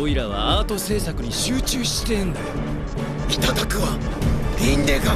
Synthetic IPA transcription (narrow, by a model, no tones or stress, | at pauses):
oiɾaβ̞a̰aːt̪o̞se̞ːsakɯ̟ɲ̟iɕɨːt͡ɕɨːɕi̥t̪ẽ̞nd̪a | it̪at̪akɯ̟βaɡʲĩnd̪eɡa